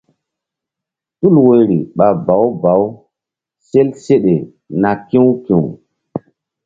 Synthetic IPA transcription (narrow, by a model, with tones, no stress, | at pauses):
tu˦lwe˨ɾḭ˨ɓa˨ba˨˦wba˨˦w | se˦lse˦ɗe˨ | na˨kĩ˦wkĩ˨w